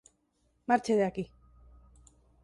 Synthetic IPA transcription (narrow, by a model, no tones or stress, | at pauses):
maɾt͡ʃeðeaki